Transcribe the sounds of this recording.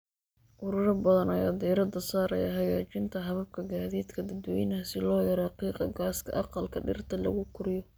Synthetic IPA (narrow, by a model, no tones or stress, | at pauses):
ʔʊɾʊɾɐbɐðɐnɐjɐd̪ɛːɾɐd̪ɐsaːɾɐ̰jɐ̰ɦɐɣaːt͡ʃɪnt̪ʰɐɦɐβɐb̚kʰɐɡaːðiːd̪kʰɐd̪ɐd̪wɔjnasɪlɔːjɐɾɛqiːqɑɡaːskʰɐ̰ʔɑqɑlkʰɐɖɪ̰rt̪ʰɐlɐ̰ɣʊkʰʊɾɪjɔ